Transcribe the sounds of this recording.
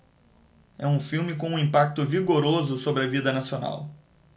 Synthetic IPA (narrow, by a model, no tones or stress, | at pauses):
ɛũfiwmɪkõũĩpak̚t̪ʊviɡoɾozʊsobɾɪɐvid̪ɐnasiona̰w